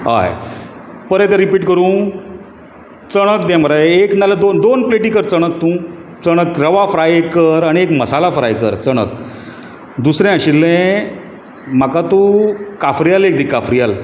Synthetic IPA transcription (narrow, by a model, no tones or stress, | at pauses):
ɦa̰j | pəɾɛ̃t̪ɛ̃ɾipiːʈkəɾũ | t͡səɽ̃ək̚d̪ãm̤əɾaeknalad̪ond̪onpleʈikəɾt͡səɽ̃ək̚t̪ũ | t͡səɽ̃əkɾəʋafɾajekəɾaɽ̃iekməsalafɾa̰jkəɾt͡səɽ̃ə̰k | d̪usɾɛ̃əɕilːɛ̃ | m̤akat̪ũkafɾijalek̚d̪ikːafɾijal